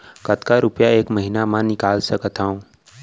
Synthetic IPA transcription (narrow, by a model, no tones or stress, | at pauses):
kət̪kaɾʊpjaeːkməɦinamãnɪkaːlsəkət̪ʰaːũː